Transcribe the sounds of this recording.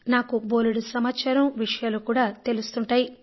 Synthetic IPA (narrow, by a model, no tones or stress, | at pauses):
naːkuboːluɽusɐmaːt͡ʃaːɾɐmʋiʂɐjaːlukuːɽaːt̪e̞lust̪uɳʈaːji